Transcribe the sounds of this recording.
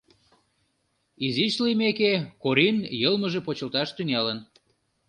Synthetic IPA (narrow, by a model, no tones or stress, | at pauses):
izit͡ɕlimekekoɾinjɤlməʒepot͡ɕəlt̪ɑʃt̪yŋɑlən